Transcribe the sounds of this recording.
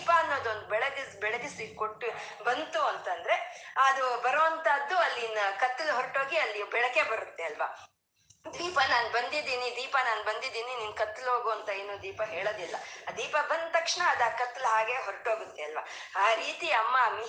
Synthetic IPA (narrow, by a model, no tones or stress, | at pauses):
paɐnːo̞ːd̪uond̪ubɛɭɐɡ̪isbɛɭɐɡ̪isikoʈːu | bɐnt̪uɐnt̪ɐnd̪ɐɾe̞ɐd̪ubɐɾoːɐnt̪ʰaːd̪ːuɐlːinːɐkɐt̪ːɐlɦoɾʈɦo̞ːɡiɐlːibɛɭɐke̞bɐɾut̪ːe̞ɐlʋɐ | d̪iːpɐnaːnbɐnd̪id̪iːnid̪iːpɐnaːnbɐnd̪id̪iːniniːnkɐt̪ːulɦo̞ːɡuɐnt̪ɐe̞ːnuːd̪iːpɐɦe̞ːɭoːd̪ilːɐd̪iːpɐbɐnd̪̚t̪ɐkʂɐɳɐːd̪ɐːkɐt̪ːɐlɦaːɡe̞ɦoɾʈɦo̞ːɡut̪ːeɐlʋɐ | aːɾiːt̪iɐmːɐmi